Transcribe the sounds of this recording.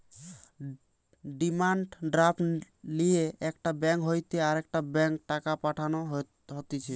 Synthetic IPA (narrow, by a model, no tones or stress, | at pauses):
ɖimaɳɖɖɾap | lieɛkʈabɛŋkɦojt̪eaɾɛk̚ʈabɛŋk̚ʈakapaʈʰanɔɦ | ɦɔt̪it͡ʃʰɛ